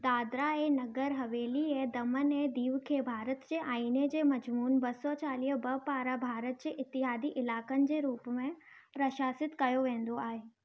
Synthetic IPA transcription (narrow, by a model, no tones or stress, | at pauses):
d̪aːd̪ɾaenɐɡəɾɦɐʋeːlied̪ɐmənɛ̃ːd̪iːʋkʰeːbʱaːɾət̪d͡ʑeːʔaːiːnəd͡ʑeːmɐd͡ʑmuːnbɐsɔt͡ɕaːliːɦbɐpaːɾabʱaːɾət̪̚d͡ʑeːʔɪt̪ːɪɦaːd̪iʔɪlaːkənɪ̆d͡ʑeːɾuːpmẽ | pɾɐʃaːsɪt̪kɐjoʋẽːn̆d̪oaːɦeː